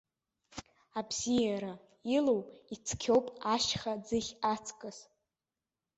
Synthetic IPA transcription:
abzijaɾa | ilowit͡sʰkʲʰowpʼaʃχad͡zɨχʲat͡sʰkʼɨs

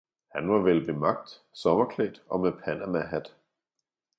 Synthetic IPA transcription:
hænʋɑ̈ʋelb̥e̝mɑ̈ɡ̥̚d̥ | sɒ̽mɐkʰlɛ̰ːd̥ɒ̽mepʰænæmæɦæd̥

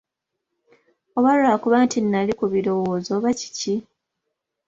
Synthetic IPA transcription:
oβalaːkuβaːntinːalikuβiɾo̞woːzo̞βaci̥ci

